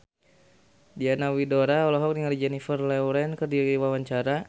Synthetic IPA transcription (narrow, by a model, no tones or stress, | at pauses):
dianawidoɾaɔlɔɦɔk̚niŋalid͡ʒɛnifərlɛwɾɛnkərdiiwawaɲt͡ʃaɾa